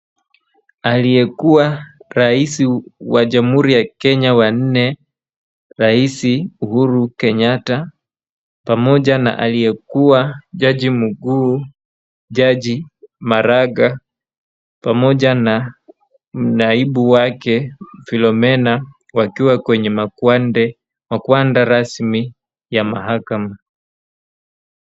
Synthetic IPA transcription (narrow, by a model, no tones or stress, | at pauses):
alijɛkuwaɾaisiwaʄam̩huɾijakɛɲawan̩nɛ | ɾaisiuhuɾukɛɲata | pamɔʄana̰ʔa̰lijɛkuwaʄaʄimuɡuː | ʄaʄimaɾaɡa | pamɔʄana | m̩naiɓuwakɛfilɔmɛna | wakiwakwɛɲɛmanɛ | makwandaɾasmi | jamaɦakama